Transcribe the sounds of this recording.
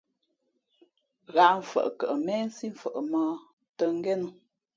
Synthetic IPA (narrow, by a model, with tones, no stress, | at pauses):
ɣa˨˦m̩˨fə̰˨ʔkə˨ʔə˨mɛː˦n̩˦si˦ɱ̩˨fə˨ʔə˨məː˦ | tə˨ŋ˦ɡɛ˦nu˦